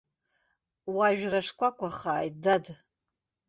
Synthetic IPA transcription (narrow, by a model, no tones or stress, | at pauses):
waʒᶣraʂkʷʼakʷʰʼaχaːjt̚dad